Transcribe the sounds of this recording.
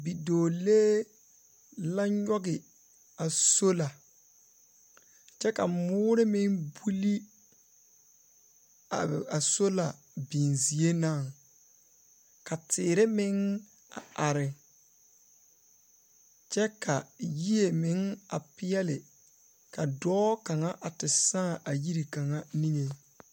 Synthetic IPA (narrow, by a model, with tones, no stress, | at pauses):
bi˨doː˨leː˦ | la˦ɲɔ˦ɡɪ˨ | a˨so˦la˨ | t͡ʃɛ˦ka˨mʊː˦ɾɪ˦mɪ˦ŋbu˦li˦ | a˨a˨so˦la˨ | bi˨nzi˨e˦na˦˨ŋ | ka˨tʰɪː˨ɾɪ˦mɪ˦ŋ | a̰˨ʔa˨ɾɪ˨ | t͡ʃɛ˦ka˨ji˦e˨mɪ˨˦ŋa̰˨pɪ˦ɛ˦lɪ˨ | ka˨dɔː˦ka˨ŋa˦ʔa˨tɪ˨sãː˦˨ʔa˨ji˦ɾi˨ka˨ŋa˦ni˦ŋe˨˦